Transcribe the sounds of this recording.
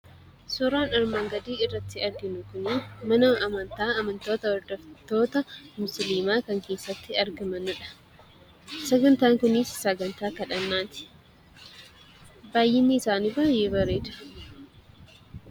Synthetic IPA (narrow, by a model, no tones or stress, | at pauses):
suːɾaːnɐɾmaːŋɡɐd̪iːɪrːɐt̪ːɪɐɾɡɪnʊkʊnɪmɐnɐːmɐnt̪aːɐmɐnt̪oːt̪ɐwɐɾd̪ɐft̪o̞ːt̪ɐmʊsliːmaːkɐŋke̞ːsːɐt̪ːɪɐɾɡɐmɐnʊᶑɐ̥ | sɐɡɐnt̪aːŋkʊnɪsːɐɡɐnt̪aːkɐᶑɐnːaːt̪ɪ̥ | baːjɪnːɪːsaːniːbaːje̞ːbɐrːe̞ːᶑ̪ɐ̥